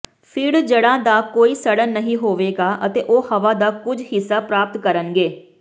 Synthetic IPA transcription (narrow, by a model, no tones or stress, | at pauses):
pʰɪɽd͡ʒəɽãːd̪aːkoːiːsəɽənːəɦĩːɦoːʋeːɡaːʔət̪eːʔoːhəʋaːd̪aːkʊd͡ʒɦɪsːaːpɾaːp̚t̪kəɾənɡeː